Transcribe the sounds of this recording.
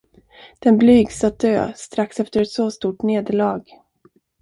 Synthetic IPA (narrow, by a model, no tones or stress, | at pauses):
d̪̥ɛnblyːɡsat̪̚d̪ø̰ːst̪ɾaksɛft̪əɾɛt̪sɔst̪uːʈneːd̪əɭɑːɡ